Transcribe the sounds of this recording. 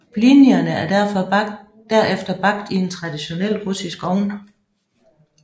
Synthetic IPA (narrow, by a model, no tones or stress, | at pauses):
blinjɐnəæɐd̥æɐ̰fɒ̽ | d̥æɐʔefd̥ɐb̥ɑ̈ɡ̥̚d̥ie̝nt͡sʰʁɑ̈d̥iɕo̝nel̰ʁusisɡ̥ɒʊn